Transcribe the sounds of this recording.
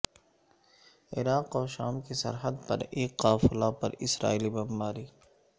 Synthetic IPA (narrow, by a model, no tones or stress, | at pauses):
ɪ̰ɾaːqɔːɾʃa̰ːmkisɐ̰ɾɦəd̪pɐ̰ɾeːqːaːfʊlaːpɐ̰ɾɪsɾa̰ːiːlibɐmbaːɾiː